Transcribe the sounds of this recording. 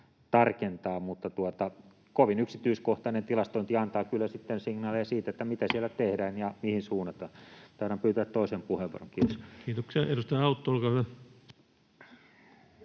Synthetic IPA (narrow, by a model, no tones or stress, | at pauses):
t̪ɑrkent̪ɑːmut̪ːɑt̪uot̪ɑ | koʋinyksit̪yiskoht̪ɑnent̪ilɑst̪oint̪iɑnt̪ɑːkylːæsit̪ːensiŋnɑːlejɑsiːt̪æet̪ːæmit̪æsiælːæt̪ehdæːnjɑmihinsuːnːɑt̪ːɑt̪ɑiɾɑmpyːt̪ææt̪toˑisempuheʋṵroŋkiːt̪oskiːt̪oksiɑeɾust̪ɑjɑɑut̪ːoolkɑːhyʋæ